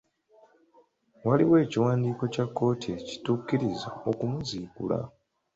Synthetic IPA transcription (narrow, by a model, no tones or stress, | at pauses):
waliwe̞ːciwaːndiːko̞cakːo̞ːtʰieci̥tuːkːiɾiza̰o̞kumuziːkṵla̰